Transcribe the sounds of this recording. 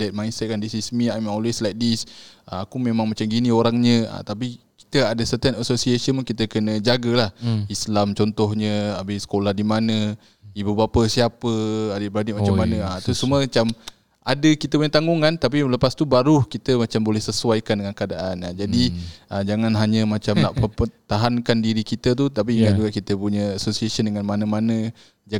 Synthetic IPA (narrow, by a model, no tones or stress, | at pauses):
dɛt̪̚majnsɛt̪̚kandisismiajmɔlwɛslajk̚disəakumemãŋmat͡ʃamɡinioɾaŋɲə̃ə̰t̪ap̬i | ki̥t̪əadəsət̪ənəsosiesiənmunkit̪əkənəd͡ʒaɡalahislamt͡ʃɔnt̪ɔhɲəabɪhsə̥kolahdimanə | ibubapəsiapəadəbɾanɪʔ̚mat͡ʃammanə̃at̪usuməat͡ʃam | adəkit̪əpuɲət̪aŋɡuŋant̪ap̬iləpast̪ubaɾuhkit̪əmat͡ʃambolɛhsəsuajkandəŋankəadaʔanad͡ʒadiʔəd͡ʒaŋanɦaɲə̃mat͡ʃamnaʔpəpət̪aɦankandiɾikit̪ət̪̬ut̪ap̬iŋaʔd͡ʒuɡaʔkit̪əpuɲəːsosiasəndəŋanmanə̃manə̃ | d͡ʒa